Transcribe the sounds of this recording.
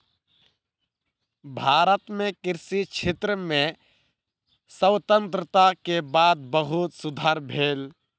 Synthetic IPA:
bʱaːɾət̪mẽkɪɾsit͡ʃʰet̪ɾəmẽ | səwt̪ə̃nt̪ɾət̪akebaːd̪̚bəɦʊt̪sʊd̪ʱaːɾbʱeːl

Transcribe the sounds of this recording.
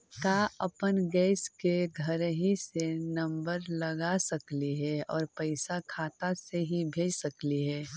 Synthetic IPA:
kaːʔəpənɡɛːskeɡʱəɾɦisenɐ̃mbəɾləɡasəkliɦɛɔːɾpəɪsakʰaːt̪aseɦibʱeːd͡ʒsəkliɦɛː

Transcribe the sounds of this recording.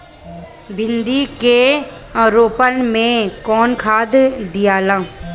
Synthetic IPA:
bʱɪ̃nd̪ike | ɾoːpənmẽkɔːnkʰaːd̪d̪ijaːlãː

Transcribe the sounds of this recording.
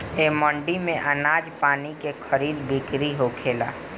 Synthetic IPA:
eːmɔ̃ːɳɖimẽʔənaːd͡ʒpaːnikexʰəɾiːd̪bɪkɾiɦokʰeːla̰ː

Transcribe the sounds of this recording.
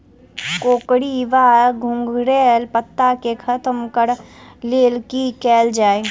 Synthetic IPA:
koːkɽiʋaːɾɡʱʊ̃ŋɡɾeːlpət̪ːakekʰɐt̪mkəɾleːlkikɛːld͡ʒaːeː

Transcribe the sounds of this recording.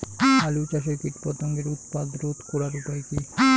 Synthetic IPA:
alut͡ʃaʃ̬okiʈpɔt̪ʰoŋɡeɾut̪pad̪ɾot̪koɾaɾupajki

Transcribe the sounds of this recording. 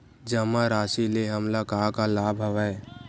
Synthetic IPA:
d͡ʒəmaɾaːsileɦɐmlakaːkalaːbʱɐʋae

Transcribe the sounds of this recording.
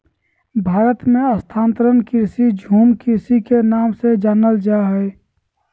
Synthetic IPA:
bʱaːɾət̪mẽəst̪ʰaːnt̪əɾənkɪɾsid͡ʒʱuːmkɪɾsikenaːmsed͡ʒaːnəld͡ʒaɦɛe

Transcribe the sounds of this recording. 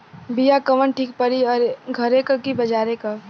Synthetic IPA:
bijakɐʋənʈʰiːk̚pɐɾiɔːɾɡʱɐɾẽkɐkibɐd͡ʒaːɾeka

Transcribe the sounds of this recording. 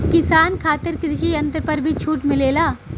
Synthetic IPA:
kɪsaːnkʰaːt̪əɾkɾɪʃiɐ̃nt̪əɾpɐɾbʱit͡ʃʰuːʈmɪleːlaː

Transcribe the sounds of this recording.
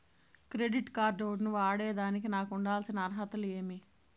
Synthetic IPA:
kɾeɖiʈkaːɾɖoːɖnuʋaːɽeːd̪aːnik̬inaːkuɳɖaːlsinɐɐɾɦɐt̪ɐleːmi

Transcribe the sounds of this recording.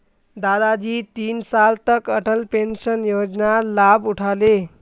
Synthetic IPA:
d̪ad̪ad͡ʑiːt̪iːnsalt̪əkəʈʰəlpenɕənjod͡znalabuʈʰale

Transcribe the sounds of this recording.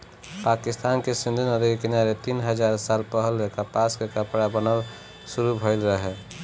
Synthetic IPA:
pakist̪ankesĩnd̪ʱinəd̪iɡkenaɾet̪inɦəd͡ʒaɾsalpəɦəlɾekapaskekəpɽabənəl | suɾubʱəɪlɾəɦɛ

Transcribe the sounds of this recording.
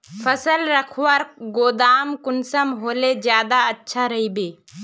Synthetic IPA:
fʰəsəlɾəkʰwəɾɡoːd̪aːmkʊnsəmɦoːled͡ʒjaːd̪aɐtːʃʰaɾɐɦibeː

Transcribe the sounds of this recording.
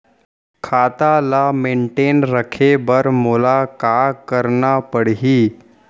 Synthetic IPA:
kʰat̪alameɳʈenɾəkʰebəɾmolakakəɾɳapəɽɦiː

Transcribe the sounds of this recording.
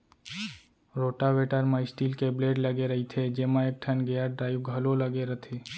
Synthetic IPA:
ɾoːʈaʋeːʈəɾmaːɪsʈiːlkebleːɖlɐɡeɾɐɦit̪ʰed͡ʒeːmãek̚ʈʰənɡejaɖɾaːiwɡʱɐlolɐɡeɾɐt̪ʰeː

